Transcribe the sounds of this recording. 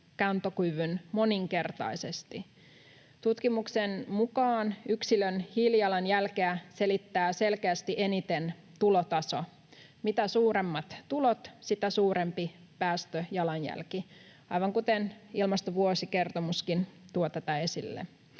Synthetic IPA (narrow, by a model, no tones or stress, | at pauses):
kænt̪okuʋynmo̞niŋke̞rt̪ɑ̰ise̞st̪i | t̪ut̪kimuksenmukɑːnyksilønhiljɑlɑnjælkeæse̞lit̪ːæːse̞lkeæst̪iʔenit̪en | t̪ulot̪ɑso̞ | mit̪æsuːɾemːɑt̪tulot̪sit̪æsuːɾe̞mpi | pæːst̪øjɑlɑnjæ̰lki | ɑjʋɑŋkut̪enilmɑst̪oʋuosike̞rt̪omuskint̪uot̪æt̪æesilːḛ